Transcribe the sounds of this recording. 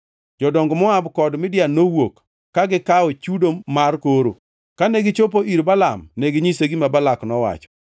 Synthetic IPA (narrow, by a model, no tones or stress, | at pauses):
d͡ʒɔdɔŋɡɔmɔabkɔdmɪdjanowokː | aɡɪkaot͡ʃudomarkoɾo̰ | kaneɡɪt͡ʃop̬oʔiɾbalamneɡɪɲiseɡimabalaknɔwa̰t͡ʃɔ̥